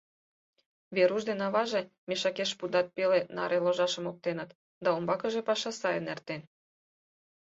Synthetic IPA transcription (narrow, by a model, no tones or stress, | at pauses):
βeɾuʒd̪enɑβɑʒe | meʃɑkeʃpud̪ɑt̪̚pelenɑ̰ɾʔeloʒɑʃə̆mok̚t̪enət̪ | d̪ɑombɑkəʒepɑʃɑsɑjenert̪en